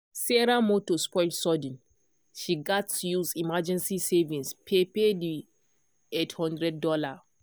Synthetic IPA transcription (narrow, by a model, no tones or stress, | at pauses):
sɛɹamotospɔɪlsɔdĩn | ʃiɡatujuzimad͡ʒɛ̃nsisevĩnspʰepedi | ethɔ̃ndɹɛd̚ːɔla